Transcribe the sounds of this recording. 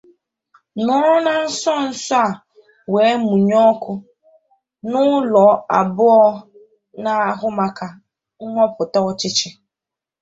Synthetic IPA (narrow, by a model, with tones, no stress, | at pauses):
nɔ˦ɾna˦n̩˦sɔ˦n̩˦sa˦˨ | we˨˦mu˨ɲɔ˦kʊ˦ | nʊ˦lɔ˨˦a˨bʊ˦ɔ˦ | na˨a˦ɦʊ˦ma˦ka˨ | ŋ̩˦ŋʷɔ˦pʊ˨tɔ˦ɔ˦t͡ʃɪ˦t͡ʃɪ˦